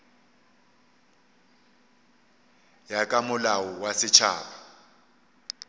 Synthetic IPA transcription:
jakʼamʊlawɔwasɪt͡ʃʰa̰ːpʰa

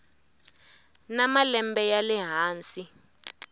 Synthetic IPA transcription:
namalɛmbɛjalɛɦaːnsi

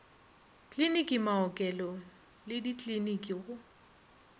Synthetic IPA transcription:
kʼlinikʼimaɔkʼɛlɔ | lɪdikʼlinikʼiɣʊ

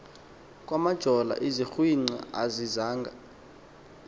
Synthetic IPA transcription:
kʼwamad̥ʒ̥ʱɔla̰ʔizixwiŋ͡ǀa̰a̰zizaːŋɡʱa

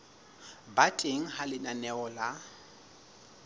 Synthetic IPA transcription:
batʼeŋ̩halɪnanɛɔla

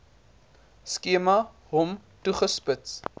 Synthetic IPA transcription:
skiəmɐ | ɦɔmtuχəspəts

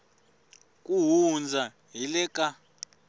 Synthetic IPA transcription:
k̬ʼuɦund͡zʱa | ɦilɛkʼa

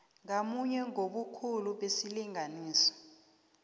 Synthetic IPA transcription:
ŋamuɲɛŋoɓukʰuluɓesiliŋaniːsɔ̥

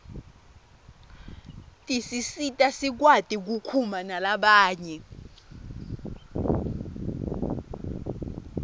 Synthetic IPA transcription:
tʼisisitʼasik̬watʼik̬ukʰumanalaɓaːɲɛ

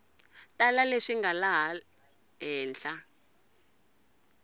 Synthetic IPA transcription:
talaleʂiŋɡalaɦa | ɦɛːnɬa

